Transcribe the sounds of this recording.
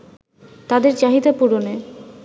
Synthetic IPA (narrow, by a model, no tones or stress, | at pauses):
t̪ad̪eɾd͡ʑaɦid̪apuɾone